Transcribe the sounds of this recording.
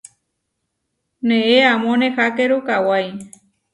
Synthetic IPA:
nẽeamõnehakeɾukawaj

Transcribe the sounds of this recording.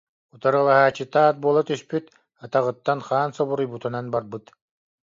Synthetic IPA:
ut̪aɾɯlˠaɦaːt͡ɕːɯt̪aːt̪̚buɔlˠat̪yspyt̪ | at̪aʁɯt̪ːanχaːnsɔβuɾujbut̪unanbaɾbɯt̪

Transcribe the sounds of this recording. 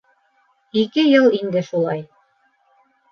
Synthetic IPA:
ikɘjɤlˠind̪ɘʃulˠɑj

